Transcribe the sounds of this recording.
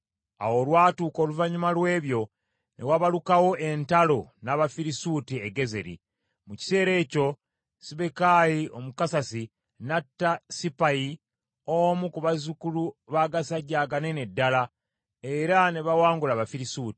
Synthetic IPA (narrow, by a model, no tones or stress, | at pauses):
a̰wo̞lwaːtuːko̞ːluvaɲumalwe̞ːβjo̞ | ne̞waβalukawo̞ʔe̞ntalo̞naβafiɾisuːtieɡe̞ze̞̰ɾḭ | muci̥se̞ːɾe̞ːco̞ | siβekajio̞mukasasi | natːasipaji | omukuβazukuluβaːɡasaɟːaːɡane̞nedːala | e̞ɾane̞βawaːŋɡulaβafiɾisuːti̥